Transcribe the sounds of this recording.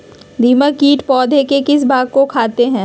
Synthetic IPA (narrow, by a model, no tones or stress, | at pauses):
d̪ʱiːməkiːʈpɔːd̪ʱekekɪs̬baːɡ̚kokʰaːt̪eɦɛ̃ː